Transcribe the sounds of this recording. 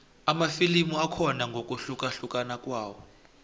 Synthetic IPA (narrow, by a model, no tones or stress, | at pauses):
amafilimuakʰɔnaŋɡʱokʼuɬukʼaɬukʼanakʼwaːwɔ